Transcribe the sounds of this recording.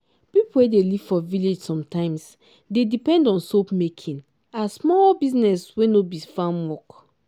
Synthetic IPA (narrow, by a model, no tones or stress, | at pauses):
pipuwedeliv̥fɔviled͡ʒsɔ̃mtãɪ̃ms | dedipɛ̃ndɔ̃nsopmekʰĩn | asmɔlbiznɛswenobifãnwɔk